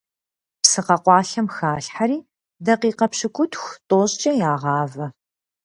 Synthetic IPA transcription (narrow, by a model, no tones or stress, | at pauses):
psɨqɐqʷɑːɬɐmxaːɬħaɾiː | dɐqiːqɐpɕɨkʷʼʊtxʷtʼoːɕʼt͡ʃʼɐjaːʁɑːvɐ